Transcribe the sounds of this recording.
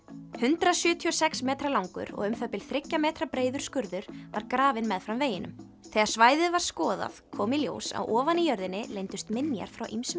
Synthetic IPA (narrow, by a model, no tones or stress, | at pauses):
hʏnt̪ɾasjʏːt̪ʰiɔsɛksmɛːt̪ɾalawŋkʏ̰ɾɔ̰ɣʏmfɛpɪl̥θɾɪcːamɛːt̪ɾapɾeːjðʏɾ̥skʏɾðʏɾ̥vaɾkɾaːvɪnmɛðfɾamveːjɪnʏ̰m | θɛːɣaɾ̥svaːjðɪðvaɾ̥skɔːða̰fkʰɔːmɪljo̰ːwsa̰wʔɔːvanijœɾðɪnːɪlejnt̪ʏst̪mɪnja̰ɾ̥fɾawʔḭmsm